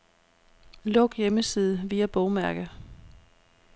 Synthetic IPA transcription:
lɔ̽ɡ̥jeməsið̞ˠəʋiːæb̥ɔʊmæɐ̰ɡ̥ə

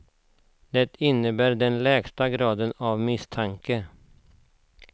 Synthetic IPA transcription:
d̪ɛt̪ʰɪnːəbæːɾɖɛnlɛːɡst̪aɡɾɑːd̪ənavmɪst̪ʰaŋkə

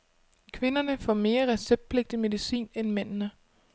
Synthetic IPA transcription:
kʰʋe̝nɐnəfɒ̰me̝ːɐʁɛseb̥̚d̥̚pʰle̝ɡ̥̚d̥ime̝ðˠisḭːnenmen̰nə

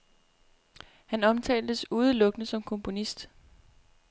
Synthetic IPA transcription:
hænɒ̽mt͡sʰɛ̰ːld̥əsuːð̞ˠəlɔ̽ɡ̥ənəsɒ̽mkʰɔ̽mpʰo̝nisd̥

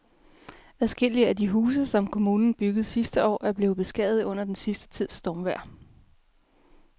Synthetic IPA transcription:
æðˠsɡ̥e̝l̰iəæd̥iɦuːsəsɒ̽mkʰo̝muːnn̩b̥yɡ̥əð̞̩ˠsisd̥əɒ̰ːʔæɐb̥le̝ːð̩ˠb̥e̝sɡ̥ɛ̰ð̩ˠɔ̽n̰ɐd̥ensisd̥ə̥t͡sʰið̞̰ˠsd̥ɒːmʋæɐ̰

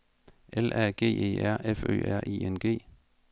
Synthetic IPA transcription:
ʔelʔæɡ̥e̝̰ːe̝̰ːæɐ̰ʔefø̰ːæɐʔḭːenɡ̥e̝̰ː

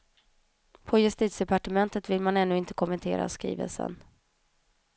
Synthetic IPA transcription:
pʰɔjɵst̪iːt̪sd̪ɛpaʈəmɛnt̪ət̪vɪlmanɛn̪ːɵɪnt̪ə̥kʰɔmɛnt̪ʰḛːɾa̰skɾḭːvə̰lsə̰n

